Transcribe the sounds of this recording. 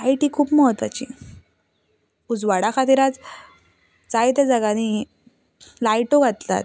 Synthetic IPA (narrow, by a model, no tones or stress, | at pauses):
ajʈiːkʰuːpməɦət̪ʋa̰t͡ɕḭː | ud͡zʋaɽakʰat̪iɾat͡s | d͡zajt̪ad͡zaɡani | lajʈoɡʱat̪la̰t̪̚